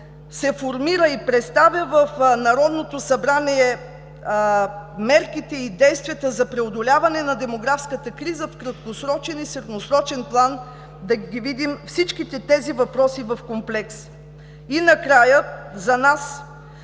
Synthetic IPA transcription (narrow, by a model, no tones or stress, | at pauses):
sɛfoɾmiɾəipɾɛt̪st̪avʲjəvəfnɐɾɔd̪not̪osɐbɾaniɛ | mɛɾk̟it̪ɛid̪ɛjst̪vʲiət̪əzɐpɾɛod̪olʲavɐnɛnɐd̪ɛmoɡɾafskət̪əkɾizəfkɾɐt̪̚kosɾɔt͡ʃɛnisɛɾd̪nosɾɔt͡ʃɛnplˠan | d̪ɐɡʲivid̪imfsit͡ʃk̟it̪ɛt̪ɛzivɐpɾɔsivɐfkomplɛks | inɐkɾajəzɐnas